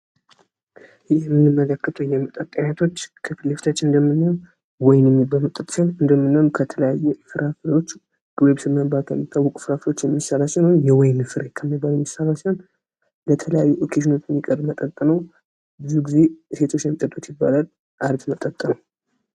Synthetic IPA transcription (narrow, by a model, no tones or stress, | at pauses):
jɛmːɨnːɨmːələkːət̪ʰəwjɛmət̪ʼət̪ʼːəɲat̪ʰo̞t͡ʃːkʰɨfɨleft̪ʰat͡ʃːɨnd̪əmːɨnːa | wɔjnjɛmːibːalmət̪ʼːət̪ʼsanɨnd̪əmːɨnːanukʰət̪ʰələjajːufɨɾafɾewo̞t͡ʃː | ɡ̥ɨβeβsɨmːəbat̪ʰɛmːit̪ʰʼːawːɔkʷʼu̥fɨɾafɾot͡ʃːjɛmːisːaɾasɛnonjɛwɔjnfɨɾekʰəmːibːalumːisːaɾasan | lət̪ʰələjajːuʔokʰeʃɪno̞t͡ʃːɛmːikʼəɾbmət̪ʼət̪ʼːɨnəw | bɨzuɡize̞se̞t̪ʰo̞t͡ʃːjɛmːit̪ʼət̪ʼut̪jɪbːa̰lal | ʔaɾt̪mət̪ʼːət̪ʼːɨnəw